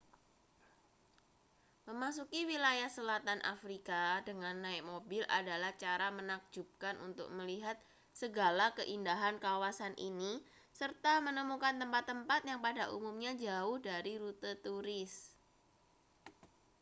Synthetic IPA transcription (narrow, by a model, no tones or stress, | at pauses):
məmasukiwilajahsəlat̪anʔa̰fɾikadəŋanːaɪk̚mobɪlʔa̰dalaht͡ʃaɾamənak̚d͡ʒup̚kanʔṵnt̪ʊ̰k̚məliɦat̪̚ | səɡalakəʔindaɦankawasanʔḭni | sərt̪amənəmukant̪əmpat̪ːəmpat̪̚jaŋpadaʔṵmumɲad͡ʒaʊhdaɾiɾut̪ət̪uɾɪs